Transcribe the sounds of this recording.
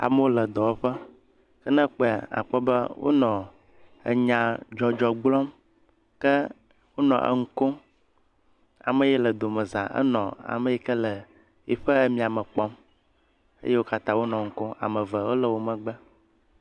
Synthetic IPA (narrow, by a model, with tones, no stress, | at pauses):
a̰˨mə˦wo˦lə˨d̪ɔ˨wo˦ɸə˦ | kə˦nə̃˦k͡pe˦˨a̰˨k͡pɔ˦bə̰˦wo̰˦nɔ̃˨ | ə̰˨ɲã˨d͡ʒɔ˦d͡ʒɔ˨ɡ͡blɔ̃˦m | kə˦ | wo˦nɔ̰̃˨ʔə̰˨ŋ̩˦ko˦ | a̰˨mə̃˦˨jɛ˦lə˨d̪o˨mə̃˨zã˨ʔə̰˦nɔ̰̃˨a̰˨mə̃˨jɛ˦kə˦lə˨ | i˨ɸə˦ə˦mĩ˦a˨mə̃˨k͡pɔ˦m | ə̰˦je˦wo˦ka˦t̪ã˦wo˦nɔ̃˨ŋ̩˨ko˦a̰˨mə̃˨və˨wo˦lə˨wo˨mə̃˨ɡ͡bə˦